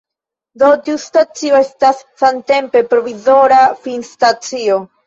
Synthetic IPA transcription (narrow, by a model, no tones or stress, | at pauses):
d̪o̞tiustat͡sio̞estasːante̞mpe̞pɾo̞vizo̞ɾafinstat͡sio